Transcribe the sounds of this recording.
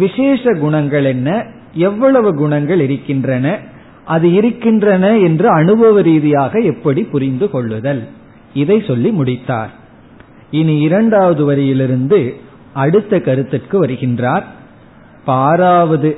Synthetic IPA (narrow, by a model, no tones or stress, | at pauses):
ʋɪʂeːʂɐɡʊɳɐŋɡɐɭɛnːɐ | ɛʋːɐɭɐʋɯɡʊɳɐŋɡɐɭɪɾɯkːɪndrɐnɐ | ʔɐðɯɪɾɯkːɪndrɐnɐɛndrɯɐnɯbɐʋɐɾiːðɪjaːɣɐɛpːɐɽipʊɾɪnd̪ɯkɔɭːʋɯðɐl | ɪðɐɪsɔlːimʊɽɪt̪ːa̰ːɾ | ɪniɪɾɐɳɖaːʋɐðɯʋɐɾɪjɪlɪɾɯnd̪ɯ | ɐɽɯt̪ːɐkɐɾɯt̪ːɪrkɯʋɐɾɯɣɪndraːɾ | paːɾaːʋɐðɯ